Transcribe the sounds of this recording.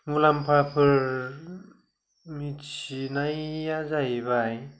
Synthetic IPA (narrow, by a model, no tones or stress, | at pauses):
mulampʰapʰɯɾ | mit͡ʃinajazajbaj